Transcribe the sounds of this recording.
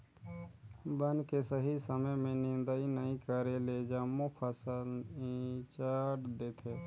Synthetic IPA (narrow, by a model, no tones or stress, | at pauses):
bənkesəɦisəməjmẽnɪ̃nd̪əinəĩkəɾeled͡ʒamːopʰəsəlĩt͡ʃaɾd̪eːt̪ʰe